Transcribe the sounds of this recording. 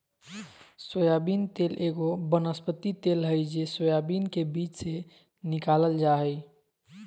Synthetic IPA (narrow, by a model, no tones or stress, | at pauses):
səjabint̪elʔeɡobənəspət̪it̪elɦəjd͡ʒesəjabinkebit͡ʃse | nikaləld͡ʒaɦəj